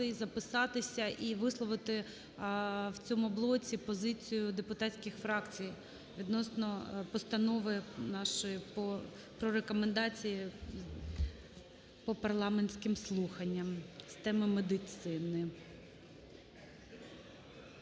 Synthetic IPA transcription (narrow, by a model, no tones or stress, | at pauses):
ɪzɐpɪsɑt̪ɪsʲɐʔiʋɪslˠɔʋɪt̪ɪ | wt͡sʲɔmʊblˠɔt͡sʲipɔzɪt͡sʲijʊd̪epʊt̪ɑtʲsʲkʲɪxfɾɑkt͡sʲij | ʋʲid̪nɔsnɔpɔst̪ɐnɔʋɪnɑʃɔjipɔ | pɾɔɾekɔmend̪ɑt͡sʲiji | pɔpɐrlˠɑmenʲsʲkɪmslˠuxɐnʲːɐmst̪ɛmɪmed̪ɪt̪sɪnɪ